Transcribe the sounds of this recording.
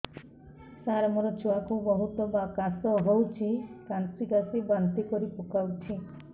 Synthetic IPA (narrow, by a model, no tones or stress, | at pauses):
saɾmɔɾɔt͡ʃuakubɔɦut̪ɔbakasɔɦowt͡ʃʰikansiɡasibant̪ikɔɾipukawt͡ʃʰi